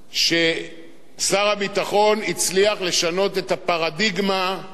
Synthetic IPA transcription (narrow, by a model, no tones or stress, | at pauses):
ʃe̞ | saʁabitaχo̞nit͡sliaχle̞ʃano̞te̞tapaʁadiɡma